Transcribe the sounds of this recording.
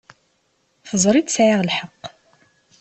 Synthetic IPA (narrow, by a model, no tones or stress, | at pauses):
θəzˤɾˤid̪sʕiʁlħəqː